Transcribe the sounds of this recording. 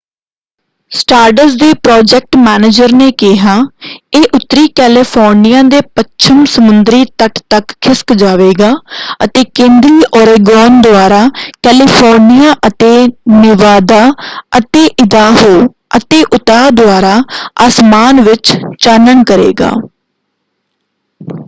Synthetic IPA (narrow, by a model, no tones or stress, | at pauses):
sʈaːɾɖəsd̪eːpɾɔːd͡ʒɛːk̚ʈmɛːneːd͡ʒəɾneːkɪɦaːeːʔʊt̪ːɾiːkɛːlɪpʰɔːɾnɪjãːd̪eːpət͡ʃʰəmsəmʊnd̪ɾiːt̪əʈt̪əkkʰːɪskd͡ʒaːʋeːɡaːət̪eːkẽːnd̪ɾiːʔɔːɾeːɡɾɔːnd̪ʊaːɾaːkɛːlɪːpʰɔːɾnɪjaːʔət̪eːnɪʋaːd̪aːət̪eːʔɪd̪aːɦoː | ət̪eːʔʊt̪aːd̪ʊaːɾaːaːsmaːnʋɪt͡ʃt͡ʃaːnəɳkəɾḛːɡa̰ː